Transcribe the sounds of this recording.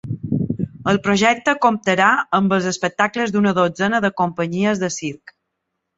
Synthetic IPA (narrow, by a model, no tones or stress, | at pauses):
əlˠpɾoʒɛk̚t̪əkomp̚t̪əɾaəmbəlˠzəspək̚t̪akləzd̪unəðod͡zɛnəðəkompəɲiəzðəsiɾk